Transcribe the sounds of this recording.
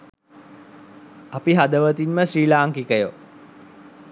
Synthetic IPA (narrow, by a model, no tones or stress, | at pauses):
apiɦad̪əʋət̪inməsɾiːlaːŋkikəjo